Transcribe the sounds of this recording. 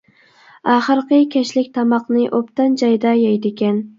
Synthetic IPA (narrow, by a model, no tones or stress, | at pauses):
ɑχɨɾqɨkʲʰɛʃlɪk̚ʲt̪ʰɑmɑqnɨʔopt̪ɑnd͡ʒɑjd̪ɑjɑjd̪ɪkʲɛn